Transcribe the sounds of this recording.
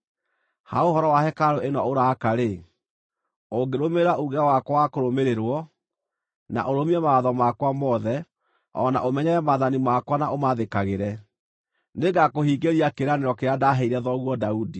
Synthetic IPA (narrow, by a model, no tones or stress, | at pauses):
ha̰ohɔɾɔwahɛkaɾoenɔoɾakaɾe | oɡeɾomeɾaʔuɣeawakwɔwakoɾomeɾeɾwɔ | na̰ʔoɾomiɛmaːðɔmakwamɔðɛ | ɔ̰na̰ʔomɛɲɛɾɛmaðanimakwanaomaðekaɣeɾɛ | neɡakohiːɡeɾiakeɾaneɾɔkeɾadaɦɛiɾɛðɔɣwɔdaudi